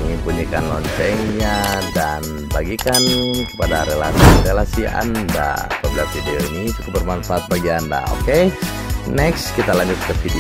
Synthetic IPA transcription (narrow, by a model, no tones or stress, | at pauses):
ŋinpuɲikanlɔɲt͡ʃɛŋɲadan | baɡikankə̥padaɾelasirelasia̰nda̰a̰pabilafideoinit̪uk̪ubərmanfaʔat̪̚baɡianda̰o̰ke | nɛkskit̪alaɲd͡ʒʊt̪̚kəfidi